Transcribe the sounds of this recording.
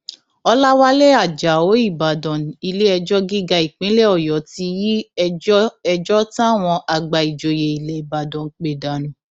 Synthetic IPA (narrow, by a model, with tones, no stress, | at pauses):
ɔ˧la˦wa˦lɛ˦a˨d͡ʒa˨o˨˦i˦˨ba˨dɔ̃˨ñ̩˨i˧le˦ɛ˧d͡ʒɔ˦ɡi˦ɡa˧i˨k͡pĩ˨˦lɛ˦˨ɔ˨jɔ˨˦ti˧ji˦ | ɛ˧d͡ʒɔ˦ta˦˨w̃ɔ̃˧ʔa˨ɡ͡ba˨i˨d͡ʒo˨je˨i˨lɛ˨i˨ba˨dɔ̃˨k͡pe˨da˨ɾ̃ĩ˨